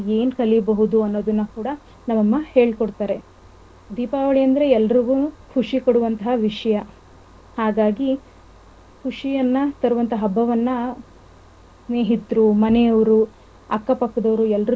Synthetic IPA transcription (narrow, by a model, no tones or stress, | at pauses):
e̞ːnkɐlibɐɦud̪uɐnːoːd̪ɐnːɐkuːɽɐ | nɐmːɐmːɐhe̞ːɭkoɽt̪aːɾe̞ | d̪iːpaːʋɐɭiɐnd̪ɐɾe̞ɛlːɐɾiɡukʰuʂikoɽuʋɐnt̪ɐɦɐʋiʂɐjɐ | haːɡaːɡi | kʰuʂijɐnːɐt̪ɐɾuʋɐnt̪ʰɐɦɐbːɐʋɐnːɐ | sneːɦit̪ːɾumɐnɛjɐʋɐɾu | ɐkːɐpɐkːɐd̪ɐʋɐɾuɛlːɾi